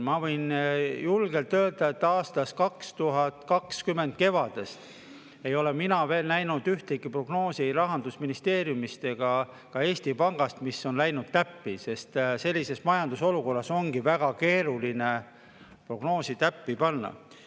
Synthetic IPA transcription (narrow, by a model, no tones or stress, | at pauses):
mɑvɤ̞jnjulɡe̞lt̪ːø̞ːld̪̥ɑe̞t̪ːɑːst̪ɑskɑkst̪uɦɑt̪kɑkskymːe̞nd̪̥̚ke̞vɑd̪̥e̞st̪ | e̞jo̞le̞minɑve̞ːlnæjnud̪̥yht̪eɡipro̞ɡ̥no̞ːsiɾɑɦɑnd̪usminist̪e̞ːɾjumist̪e̞ɡ̥ɑ | kɑe̞ːsʲt̪ipɑŋɡ̥ɑst̪misːo̞nlæjnud̪̥̚t̪æpːise̞st̪se̞lʲːise̞smɑjɑnd̪̥uso̞luko̞rːɑso̞ŋɡ̥ivæɡ̥ɑke̞ːɾuline | pro̞ɡ̥no̞ːsit̪æpːipɑnːɑ̰